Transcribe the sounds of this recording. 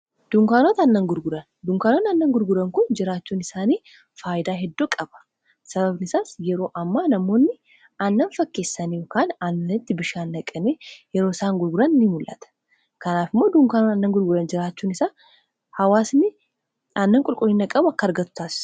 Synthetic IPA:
d̪̥ʊŋkaːnoːt̪ɐnːɐŋɡʊɾɡʊɾɐn | d̪ʊŋkaːnot̪ɐnːɐŋɡʊɾɡʊɾɐŋkʊnd͡ʒɪɾaːt͡ʃːuːnɪsaːniː | faːjɪd̪aːɦɛd̪ːokʼɐbɐ̥ | sɐbɐbnɪsaːsjɛɾo̞ːʔɐmːaːnɐmo̞ːnːɪ | ɐnːɐnfɐkːe̞ːsːɐnejokaːnɐnːɐnɪt̪ːɪbɪʃaːnːɐkʼɐneːjɛɾo̞ːɪsaːŋɡʊɾɡʊɾɐnːɪmʊlːʔɐ̰t̪ɐ̥ | kɐnaːfɪmːoːd̪ʊŋkaːnonɐnːɐŋɡʊɾɡʊɾɐnd͡ʒɪɾaːt͡ʃːuːnɪsaː | hɐwaːsnɪ | ɐnːɐŋkʼʊlkʼʊlːɪnɐkʼɐbʊɐkːɐɾɡɐt̪ːʊ̥t̪aːsɪ̥s

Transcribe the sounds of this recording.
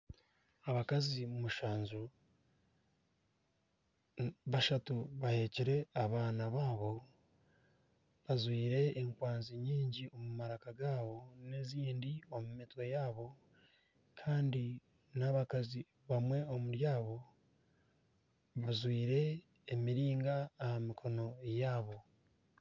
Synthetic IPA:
aβakazimumuʃaːɲzu | βaʃatuβahe̞ciɾe̞aβaːnaβaːβo̞ | βazwiːɾe̞ːŋkwaːnziɲiːɲɟiomumaɾakaɡaːβo̞ne̞ziːndio̞mumitwe̞jaːβo̞ | kʰaːndi | naβakazi | βamwe̞omuɾjaːβo̞ | βazwiːɾe̞ː | miɾiːŋɡaːhamikʰo̞no̞ejaːβo̞

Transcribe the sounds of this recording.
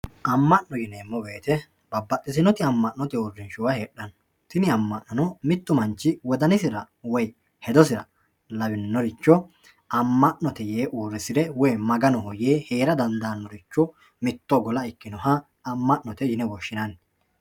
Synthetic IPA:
ʔɐmːɐʔnɔjɪnɛːmːɔbe̞ːt̪ɛ | bɐbːɐt̪ːɪsɪnɔt̪ɪɐmːɐʔːɔt̪ɪɔrːɪnʃʊwɐheːɗːɐn | t̪ɪnɪɐmːɐʔnɐnɔmɪt̪ːʊmɐnt͡ʃːɪwɔd̪ɐnɪsɪɾɐ | wɔj | hɛd̪ɔsɪɾɐ̰ | lɐbɪnnːɔɾɪt͡ʃːɔ | ɐmːɐʔnɔt̪ɛjeːʔoːrːɪsɪd̪ɛwɔjmɐɡɐnɔhɔjeːheːɾɐd̪ɐnd̪ɐnːɔɾɪt͡ʃːɔ | mɪt̪ːɔɡɔlɐɪkːɪnɔhɐː | mːɐʔnɔt̪ɛjɪnɛwɔʃːɪnɐn

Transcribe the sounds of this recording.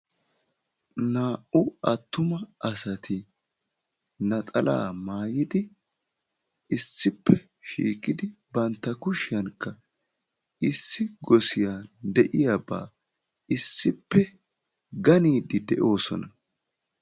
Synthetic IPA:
naːʔʊɐt̪ːʊmɐɐsɐt̪ʰɪ | nɐt̪ʼɐla̰ːmaːjɪd̪ɪ | ɪsːɪpːɛ | ʃḭːkʼɪd̪ɪbɐnt̪ːɐkʊʃɪjɐnkːɐ | ɪsːɪɡɔsɪjad̪ɛʔɪjaba̰ː | ɪsːɪpːɛ | ɡɐniːd̪ɪd̪ɛ̰ʔo̞ːsɔ̰nɐ

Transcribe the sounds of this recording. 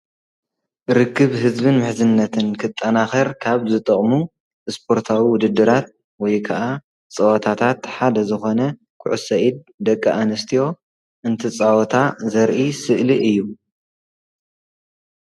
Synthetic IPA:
ɾɨkːɨβɦɨzbɨnmɨħzɨnːɐt̪ʰɨnkʰɨt̪ʼːɐnaxɐɾkʰaβzɨt̪ʼɐχʼmu | ɨspʰo̞ɾt̪ʰawiwʊd̪ɨd̪ːɨɾat̪̚ | wɔjkʰɐʔa | t͡sʼɐwɔt̪ʰat̪ʰat̪ħad̪ɐzɨxo̞nɐ | kʰʊʕusɐʔid̪̚ | d̪ɐkʼːɐʔanɨst̪ʰijo̞ | ʔɨnt̪ʰɨt͡sʼawɔt̪ʰazɐɾʔisɨʔliʔɨjːu

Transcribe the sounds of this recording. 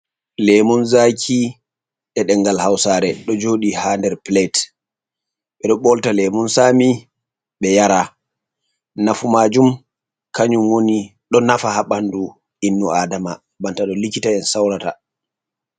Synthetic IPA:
lɛmɔnzakʰi | ɗɛɗɛŋɡalhawsaːɾɛɗɔd͡ʒoɗihandɛɾplet | ɓɛɗɔɓɔltalɛmunsaːmi | ɓɛjaɾa | nafumaːd͡ʒum | kaɲumwoniɗɔnafahaɓandu | inːuadama | bantaɗɔlikitaɛnsawɾata̰

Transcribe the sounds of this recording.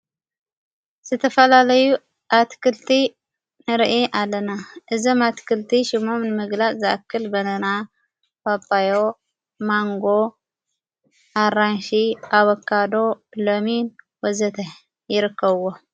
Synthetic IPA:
z̥ɨt̪ʰɐfɐlalɐju | ʔat̪kʰɨlt̪ʰi | nɨɾʔiʔalːɐnaʔɨzomat̪kʰɨlt̪ʰiʃɪmo̞mnɨmɨɡlaʔzɨʔa̰kʰːɨlbɐnɐna | fapːajo | maŋɡo | ʔaɾanʃiʔaβɐkʰːad̪o̞lomin | wɔzɐt̪ʰɐ | jɪɾɨkːɐβɨwo

